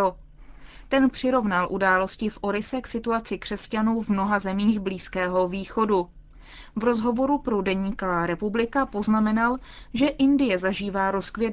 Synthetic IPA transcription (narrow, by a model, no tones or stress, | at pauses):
o | t̪ɛnpr̝̥ɪɾo̞vnalʔudaːlo̞scɪfʔo̞ɾɪsɛksɪt̪uat͡sɪkr̥ɛscanuːvmno̞ɦazɛmiːɣbliːskɛːɦo̞viːxo̞du | vɾo̞zɦo̞vo̞ɾupɾodɛɲiːkovaːɾɛpublɪkapo̞znamɛnalʒɛʔɪndɪjɛzaʒiːvaːɾo̞skvjɛ